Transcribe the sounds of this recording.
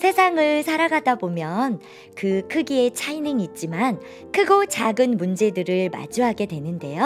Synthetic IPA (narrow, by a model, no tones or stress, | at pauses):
sʰe̞sʰaŋɯɭsʰaɾaɡadabomjʌn | kɯkʰɯɡie̞t͡ɕʰainɯŋit̚t͡ɕ͈iman | kʰɯɡot͡ɕaɡɯnmund͡ʑe̞dɯɾɯɭma̰d͡ʑuɦaɡe̞dwe̞nɯnde̞jo